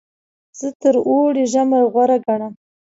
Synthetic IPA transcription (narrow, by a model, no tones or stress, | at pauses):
z̥ət̪əɾoɽeʒamaɣwaɾaɡaɽam